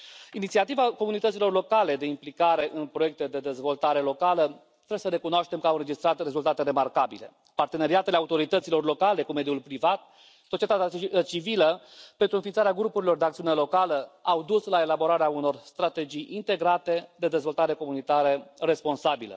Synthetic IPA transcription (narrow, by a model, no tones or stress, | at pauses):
init̪siat̪ivako̞munit̪ət̪silo̞rlo̞kale̞d̪eimplikaɾe̞ʔɨnpɾo̞je̞k̚t̪ed̪e̞d̪e̞zvo̞lt̪aɾe̞lo̞kalə | t̪ɾe̞besəɾe̞kunoaʃt̪e̞mkəawɨnɾe̞d͡ʒist̪ɾat̪re̞zult̪at̪e̞ɾe̞markabile̞̰ | part̪e̞ne̞ɾiat̪eleaut̪oɾit̪ət̪silo̞rlo̞kale̞kume̞d̪iulpɾivat̪̚ | sot͡ʃiet̪at̪at͡ʃiviləpe̞nt̪ɾuɨnfint̪aɾeaɡɾupuɾilo̞rd̪eakt̪siune̞lo̞kaləawd̪uslae̞labo̞ɾaɾeauno̞rst̪ɾat̪e̞d͡ʒijʔint̪e̞ɡɾat̪e̞d̪e̞d̪e̞zvo̞lt̪aɾe̞ko̞munit̪aɾəre̞spo̞nsabilə̰